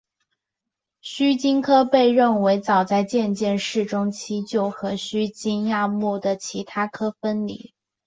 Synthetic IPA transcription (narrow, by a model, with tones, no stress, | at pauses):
ɕy˥t͡ɕi˥nkʰɤ˥pe˥˧ɪɻə˥˩nwe˧˥ɪt͡sɑ˨˩ʊt͡sa˥˧ɪt͡ɕjɛ˥˧nt͡ɕjɛ˥˧nʂɻ̩˥˩ʈ͡ʂʊ˥ŋt͡ɕʰi˥t͡ɕjo˥˩ʊxɤ˧˥ɕy˥t͡ɕi˥nja˥˧mu˥˩d̪ə˩t͡ɕʰi˧˥t̪ʰa˥kʰɤ˥fə˥nlḭ˨˩˦